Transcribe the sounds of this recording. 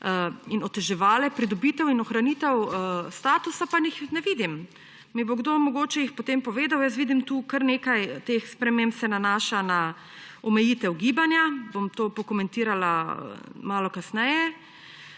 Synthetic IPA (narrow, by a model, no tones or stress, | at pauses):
inɔt̪ɛʒɛʋaːlɛpɾid̪ɔbit̪ɛwinɔxɾaniːt̪ɛwst̪aːt̪usapanixnɛʋiːd̪im | miboɡd̪oːmɔɡoːt͡ʃɛjixpot̪empɔʋeːd̪awjəst̪ʋiːd̪imt̪uːkəɾneːkajt̪exspɾɛmempsɛnanaːʃana | ɔmɛjiːt̪ɛwɡiːbanjabomt̪oːpɔkomɛ̃nt̪iːɾala̰ | maːlɔkasnɛjɛ